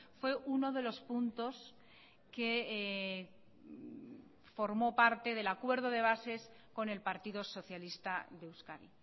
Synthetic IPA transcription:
fwe̞ʔuno̞ðe̞lo̞spunt̪o̞s | ke̞ | fo̞ɾmo̞paɾt̪e̞ð̞e̞lakwe̞ɾð̞o̞ðe̞β̞ase̞s | ko̞ne̞lpaɾt̪iðoso̞θjalist̪aðewskaɾḭ

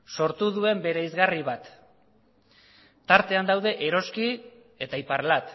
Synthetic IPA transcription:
so̞ɾt̪uðue̞mbe̞ɾeizɣariβ̞at̪ | aɾt̪e̞and̪awð̞e̞ʔeɾo̞ski | e̞t̪aipaɾlat̪

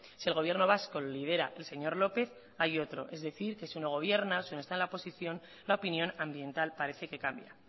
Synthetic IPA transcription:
sielɣ̞o̞βje̞ɾno̞βasko̞lolið̞e̞ɾa̰ʔe̞lse̞ɲo̞ɾlo̞pe̞θ | ajo̞t̪ɾo̞ʔe̞zðe̞θiɾke̞siuno̞ɣ̞o̞β̞je̞ɾnasiunost̪aenlaopo̞siθjo̞n | laopinjo̞nãmbje̞nt̪alpaɾe̞θe̞ke̞kambja

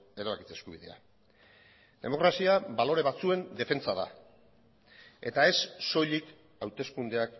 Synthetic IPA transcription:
e̞ɾaβaki̥t͡seskuβiðe̞̰a̰ | d̪e̞̰mo̞kɾasiaβalo̞ɾe̞βat͡sue̞nd̪e̞fe̞nt͡saða̰ | e̞t̪ae̞sːo̞jʎik | awt̪e̞skund̪e̞ak

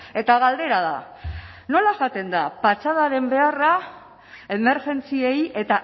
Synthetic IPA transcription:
e̞t̪aɣald̪e̞ɾað̞a̰ | no̞laʝat̪e̞nd̪apat͡sað̞aɾe̞mbe̞ara | e̞meɾʝe̞nt͡sie̞je̞t̪a

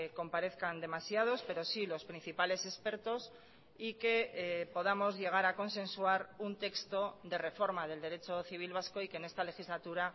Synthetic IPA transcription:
ko̞mpaɾe̞θkand̪e̞masjað̞o̞spe̞ɾo̞silo̞spɾin̟θipale̞se̞spe̞ɾt̪o̞s | ike̞po̞ðamo̞zʝe̞ɣ̞aɾako̞nsẽ̞nswaɾunt̪e̞kst̪o̞ðe̞re̞fo̞ɾmað̞e̞ld̪e̞ɾe̞t͡ʃo̞θiβ̞ilβ̞asko̞ike̞ne̞st̪ale̞xizlat̪uɾa

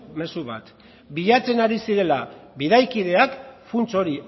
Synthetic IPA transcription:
me̞suβat̪ | biʎat͡se̞naɾisiɾe̞laβiðajkið̞e̞akfunt͡so̞ɾi

